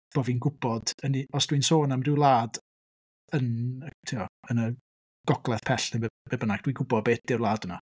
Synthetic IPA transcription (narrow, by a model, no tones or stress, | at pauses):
b̥oːvinɡʊb̥ɔd̥əniɔsd̥winsoːnamrɪwlˠaːd | ənətʰiːɔənə | ɡ̥ɔɡlˠɛθpʰɛɬnebebebənaɡ̥d̥wiɡʊbɔd̚beːt̚d̥ɪwlˠaːdəna